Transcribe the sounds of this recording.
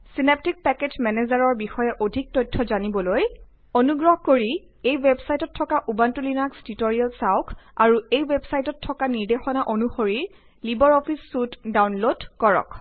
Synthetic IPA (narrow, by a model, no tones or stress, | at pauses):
sinep̚tik̚pɛketmɛnezaɹɔɹbixɔjɛʔodʱik̚tɔjtʰːɔzanibɔloj | onuɡɹɔɦkoɹi | ejwebsajtɔtʰːɔkaʔubantulinakstitoɹialsaʊkʰaɹuejwebsajtɔtʰːɔkaniɹdexɔnaʔonuxoɹiɹ | libɔɹɔpʰisːutdawnlodkɔɹɔ̰k